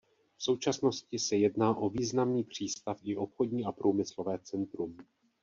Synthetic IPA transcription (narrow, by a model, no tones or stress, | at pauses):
fso̞wt͡ʃasno̞scɪsɛjɛdnaːʔo̞viːznamniːpr̝̥iːst̪afɪʔo̞pxo̞dɲiːʔapɾuːmɪslo̞vɛːt͡sɛnt̪ɾum